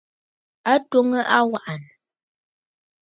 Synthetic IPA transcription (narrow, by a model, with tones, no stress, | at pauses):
a˦two˦ŋə˦ʔa˦wa˦ʔa˨n˨